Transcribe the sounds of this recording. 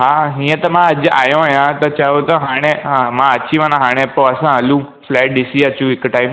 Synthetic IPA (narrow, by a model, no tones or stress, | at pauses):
ɦãɦĩːə̃t̪ɐmãɐʄa̰ːjõajãt̪ɐt͡ʃaʋõt̪ɐɦaːɽ̃emãɐt͡ɕiʋãnãɦaːɽ̃ẽpoɐsãɐlũ | flɛːʈ̚ɗɪsiət͡ɕjũɪkʈaːɪm